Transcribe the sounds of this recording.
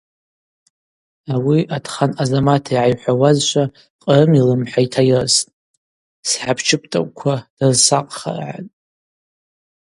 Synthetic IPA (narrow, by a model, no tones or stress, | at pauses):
awiʔadʰχanazamatʰaiʕajħʷawazʃʷʰa | qʼrɨmilɨmħaitʰajɨrsʼ | sħapʰt͡ʃʰɪpʼtʼa̰kʷʼkʷʰad̥azsaqʼχa̰rʕa̰tʼ